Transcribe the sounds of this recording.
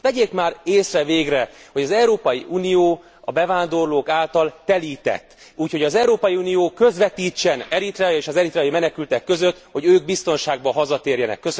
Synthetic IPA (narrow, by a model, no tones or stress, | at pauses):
vɛɟeːkmaːreːsrɛveːɡrɛhoɟɒzɛuɾoːpɒjiʔuːnijoː | ɒbɛvaːnd̪o̞rloːkaːlt̪ɒlt̪ɛliːt̪ɛ̰t̪ː | uːcho̞ɟɒzɛuɾoːpɒjiuːnijoːkø̞zʋɛt̪iːt͡ʃːɛnɛɾit̪rɛjeːʃɒzɛɾit̪rɛːjimɛnɛkylt̪ɛkːø̞zøt̪ho̞ɟøːɡ̚bist̪o̞nʃaːɡ̚bɒɦɒzɒt̪eːrjɛnɛ̰kːøs